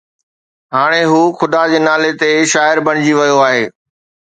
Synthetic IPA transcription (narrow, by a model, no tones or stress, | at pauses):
ɦaːɽ̃eɦuːxʊd̪ad͡ʑeːnaːlet̪eʃaːɪɾbɐɽ̃ɪd͡ʑiʋɐjoaːɦeː